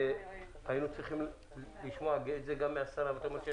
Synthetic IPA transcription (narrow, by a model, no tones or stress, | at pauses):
e | hainut͡sʁiχim | liʃmoaɡet̪zeɡamːeasaɾaveat̪aomeɾʃe